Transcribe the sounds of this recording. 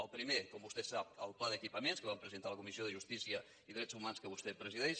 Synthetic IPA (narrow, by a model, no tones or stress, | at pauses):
əlˠpɾimekɔmbust̪ɛsap̚əlˠplaðəkipəmenskəβampɾəzənt̪aləkumisioðəʒust̪isiə | iðɾɛt͡szumanskəβ̞ust̪ɛpɾəziðɛʃ